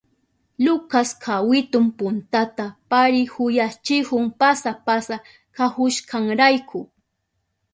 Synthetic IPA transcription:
lʊkaskʰawɪt̪ʊmpʊnt̪at̪apaɾɪhʊjat͡ʃɪhʊŋpasapasa | kahʊʃkʰaŋɾajkʰʊ

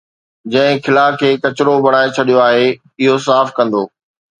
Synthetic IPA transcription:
d͡ʑɐ̃ɦɪ̃kʰɪlaːkʰeːkɐt͡ɕɪɾobɐɽ̤̃aːet͡ɕʰɐɗijoaːɦe | ɪɦos̬aːfkɐ̃nd̪oː

